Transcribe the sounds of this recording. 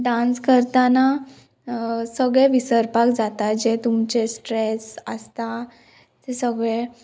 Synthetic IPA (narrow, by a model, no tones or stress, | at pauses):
ɖãnskəɾt̪ana | səɡɭeʋisəɾpakd͡zat̪ad͡ʑet̪umt͡ɕesʈɾesəst̪a | t̪esəɡɭe